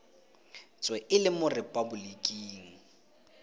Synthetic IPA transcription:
t͡sʼwɛʔɪlɪmʊrɪpʼabʊlikʼiːŋ̩

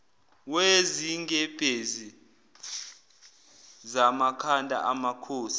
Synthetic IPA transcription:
weziŋɡʱɛb̥ʱezi | zamakʰandʼa̰ʔamakʰoːsi̥

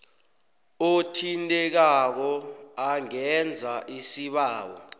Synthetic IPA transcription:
otʰintʼɛk̬ak̬ɔaŋɛnd͡zʱaʔisiɓaːwɔ̰

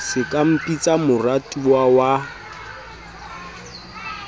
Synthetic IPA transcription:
sɪkʼam̩pʼit͡sʼamʊratʼiwawa

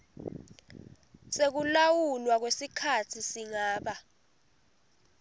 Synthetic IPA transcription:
sek̬ulawulwak̬wesikʰatʰisiŋaːɓa

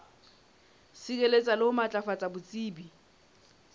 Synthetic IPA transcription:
sɪkʼelet͡sʼalɪʊmat͡ɬʼafat͡sʼabʊt͡sʼiːbi

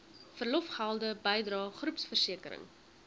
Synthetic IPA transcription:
fərlɔfχælˠdəbəjdrɑːχrupsfərsiəkəɾə̰ŋ

